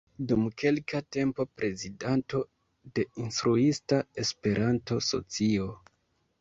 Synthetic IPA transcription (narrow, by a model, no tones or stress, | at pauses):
dumke̞lkate̞mpo̞pɾe̞zidanto̞ | de̞instɾuistae̞spe̞ɾʔanto̞so̞̰t͡sio